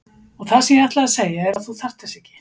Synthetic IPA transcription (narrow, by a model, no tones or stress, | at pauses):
ɔɣθasɛmjɛaht̪laaseːjaɛɾaðθuθar̥t̪ɪst̪ɛhcɪ̥